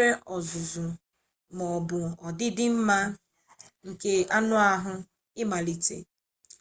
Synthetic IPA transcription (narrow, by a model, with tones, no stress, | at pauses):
e˦ʔɔ˨zʊ˨zʊ˨ | mɔ˨bʊ˨ɔ˨dɪ˦dɪ˦m̩˦ma˦ | ŋ̩˨ke˦a˦nʊ˦a˦ɦʊ˦ | ɪ˦ma˨li˨tḛ˨